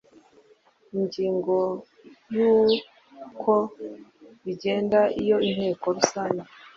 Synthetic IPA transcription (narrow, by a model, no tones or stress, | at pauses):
iɲɟiːŋɡo̞ | juː | kʰo | βiɟe̞ːndaʔijo̞in̥he̞ːko̞ɾusaːɲɟe